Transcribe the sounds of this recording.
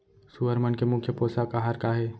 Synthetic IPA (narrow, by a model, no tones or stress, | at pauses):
suɦəɾmənkemʊkʰːjəpoːsakaɦaːɾkaɦeː